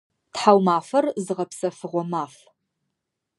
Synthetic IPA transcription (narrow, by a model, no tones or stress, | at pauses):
tħawmaːfɐrzɨʁɐpsɐfɨʁʷɔmaːf